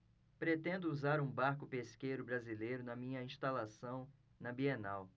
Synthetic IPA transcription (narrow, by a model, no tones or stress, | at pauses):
pɾet̪ẽnd̪ʊuzaɾũbaɾkʊpeskejɾʊbɾazilejɾʊnɐmĩɲɐĩʃt̪alasɐ̃w̃ | nɐbienaw